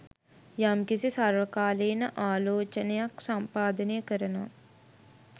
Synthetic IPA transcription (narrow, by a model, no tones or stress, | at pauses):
jamkisisaɾʋɐkaːleːnɐʔaːloːt͡ʃɐnjaksɐmpaːd̪ɐnekɐɾɐnɐ